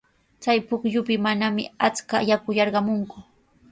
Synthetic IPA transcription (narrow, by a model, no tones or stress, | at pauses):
t͡sajpʊkʎʊpɪmanamɪ̰at͡skajakʊjɑɾɢɑmʊŋkʊ